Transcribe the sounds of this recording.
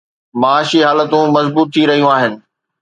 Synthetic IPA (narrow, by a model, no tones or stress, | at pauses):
maːʃiɦaːlət̪ũmɐzbuːt̪ʰːiɾɐɦijũaːɦɪnɪ̆